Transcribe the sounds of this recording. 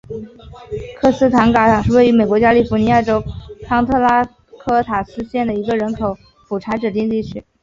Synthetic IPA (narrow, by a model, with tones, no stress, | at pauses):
kʰɤ˥˩sɹ̩˥t̪ʰa˧˥nka˧˥˨ŋʂɻ̩˥˧we˥˩ɪy˧˥me˨˩ɪkwɔ˧˥t͡ɕja˥li˥˩fni˧˥ja˥˩ʈ͡ʂo˥ʊʈ͡ʂʰɑ˥ŋt̪ʰɤ˥˧la˥ | kʰɤ˥t̪ʰa˨˩sɹ̩˥ɕjɛ˥˩nd̪ə˩i˧˥ɡə˧ɻə˧˥nkʰo˨˩ʊ | pu˨˩ʈ͡ʂʰa˧˥ʈ͡ʂɻ̩˨˩t̪̬i˥˧ŋt̪i˥˧t͡ɕʰy˥